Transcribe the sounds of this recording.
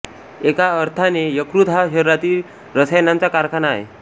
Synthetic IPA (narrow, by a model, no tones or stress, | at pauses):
ekaəɾt̪ʰanejəkɾut̪ɦaɦeɾːat̪iːl | ɾəsəjnãnt͡sakaɾkʰanaḛ